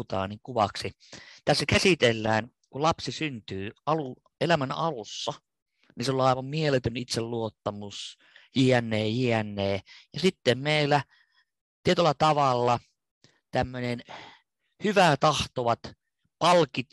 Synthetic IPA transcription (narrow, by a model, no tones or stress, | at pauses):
t̪ɑ̰ːniŋkuʋɑ̰ksi | t̪æsːækæsit̪elːæːn | kulɑpsisynt̪yːɑlu | ʔelæmænɑ̰lusːɑ | niseolɑˑiʋɑmmielet̪ønit̪selluot̪ːɑmus | jiænːˑeːjiænːˑeːjɑsit̪ːemmeilːˑæ | t̪iet̪ylːɑt̪ɑʋɑlːɑ | t̪æmːønʲen | hyʋæt̪ɑht̪oʋɑt̪ | pɑlkit̪